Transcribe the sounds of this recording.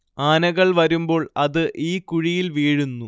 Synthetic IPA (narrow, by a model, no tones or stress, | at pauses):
aːnɐɣɐɭʋɐɾumbo̞ːɭɐðɨʔiːkuɻijilʋiːɻunːu